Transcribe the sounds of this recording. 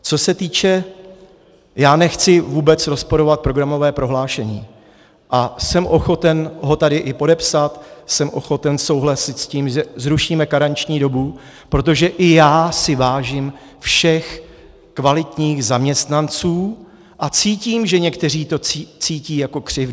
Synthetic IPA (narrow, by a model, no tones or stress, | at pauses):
t͡so̞sɛt̪iːt͡ʃɛ | jaːnɛxt͡sɪvuːbɛt͡sɾo̞spo̞ɾo̞vat̪̚pɾo̞ɡɾamo̞vɛːpɾo̞ɦlaːʃɛɲiː | ʔasɛmʔo̞xo̞t̪ɛnɦo̞t̪adɪʔɪpo̞dɛpsat̪sɛmʔo̞̰xo̞t̪ɛnso̞wɦlasɪt̪sciːmʒɛzɾuʃiːmɛkaɾant͡ʃɲiːdo̞bu | pɾo̞t̪̬o̞ʒɛʔɪjaːsɪvaːʒim | fʃɛx | kvalɪt̪ɲiːɣzamɲɛst̪nant͡suː | ʔat͡siːciːmʒɛɲɛkt̪ɛr̝iːt̪o̞t͡sit͡siːciːjako̞kr̝̥ɪv